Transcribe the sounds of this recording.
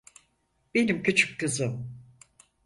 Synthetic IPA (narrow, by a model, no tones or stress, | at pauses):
b̥enimcyt͡ʃʰy̥kkɯzɯm